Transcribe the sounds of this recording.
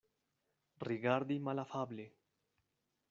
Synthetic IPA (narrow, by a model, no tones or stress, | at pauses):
riɣaɾd̪imalafaβle